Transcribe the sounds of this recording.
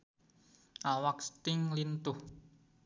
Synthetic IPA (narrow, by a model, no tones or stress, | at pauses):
ʔawakst̪ɪŋlint̪ʊh